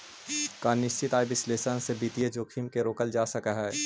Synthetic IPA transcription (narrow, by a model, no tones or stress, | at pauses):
kaːnɪʃt͡ʃɪt̪aːjbɪsleːsənsebiːt̪ijed͡ʒoːkʰimkeɾoːkəld͡ʒaːsɐkaɦɛː